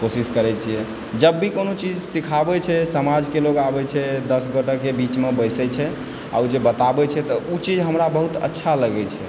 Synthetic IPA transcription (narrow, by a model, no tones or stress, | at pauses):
kosiskəɾɛt͡ʃʰijɛ | d͡ʒəbːikonot͡ʃid͡ʒsikʰabɛt͡ʃʰɛsəmad͡ʒkeloɡabɛt͡ʃʰɛd̪əsɡəʈəkebit͡ʃmebəɪsɛt͡ʃʰɛ | a̰ud͡ʒebət̪abɛt͡ʃʰɛt̪ɔʔut͡ʃid͡ʒɦəmɾabəɦut̪ə̰tːʃʰaləɡɛt͡ʃʰɛ